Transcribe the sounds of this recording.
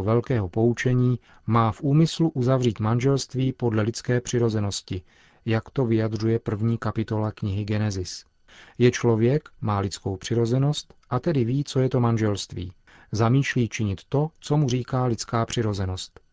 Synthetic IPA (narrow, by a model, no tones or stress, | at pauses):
vɛlkɛːɦopo̞ut͡ʃɛɲiː | maːfʔuːmɪsluʔuzavr̝iːt̪manʒɛlst̪viːpo̞dlɛlɪt͡skɛːpr̝̥ɪɾo̞zɛno̞scɪ | jakt̪o̞vɪjad̪r̝ujɛpr̩vɲiːkapɪt̪o̞lakɲɪɦɪɡɛnɛzɪs | jɛt͡ʃlo̞vjɛkmaːlɪt͡sko̞wpr̥ɪɾo̞zɛno̞st̪ʔat̪ɛdɪviːt͡so̞jɛt̪o̞manʒɛlst̪vḭː | zamiːʃliːt͡ʃɪɲɪt̪ːo̞t͡so̞mur̝iːkaːlɪt͡skaːpr̝̥ɪɾo̞zɛno̞st̪